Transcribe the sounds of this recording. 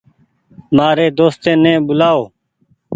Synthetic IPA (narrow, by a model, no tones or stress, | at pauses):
maːɾeːd̪oːst̪ẽːnẽːbʊlaːoː